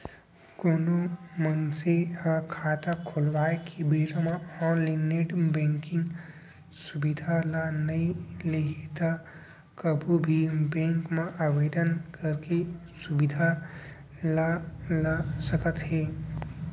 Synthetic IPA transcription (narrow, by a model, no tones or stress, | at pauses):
koːnomənsehãkʰaːt̪akʰolʋaːekibeːɾəmãɔːnlineʈbẽːŋkɪ̃ŋɡ | subid̪ʱalanɐĩlekt̪a | kəbʱubʱibẽːŋkmãʔaːʋeːd̪ənkəɾkesubid̪ʱa | lalasəkət̪ɦeː